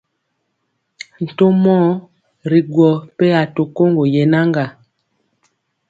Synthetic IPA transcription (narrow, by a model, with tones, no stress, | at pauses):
n̩˨to˦mɔ˦ | ɾi˨ɡwɔ˨pe˦a˨to˨ko˦ŋɡo˨je˨na˦ŋɡa˨